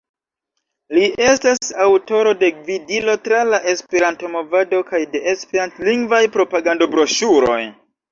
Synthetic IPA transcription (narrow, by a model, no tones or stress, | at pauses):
liʔe̞stasawto̞ɾo̞de̞ɡvidilo̞tɾalaʔe̞spe̞ɾanto̞mo̞vado̞kajde̞ʔespeɾantliŋɡvajpɾo̞paɡando̞bɾo̞ʃuɾo̞̰j